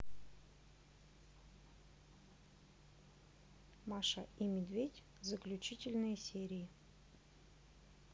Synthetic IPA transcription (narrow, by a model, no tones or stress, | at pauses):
mɑʂaʔimʲɪd̪vʲedʲ | zəklʲʉt͡ɕitʲɪlʲnɨjəsʲeɾʲɪɪ